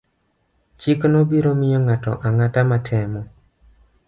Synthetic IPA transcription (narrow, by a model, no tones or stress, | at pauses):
t͡ʃiknobiɾomɪjɔŋatɔ̰ʔaŋatamatʰɛmɔ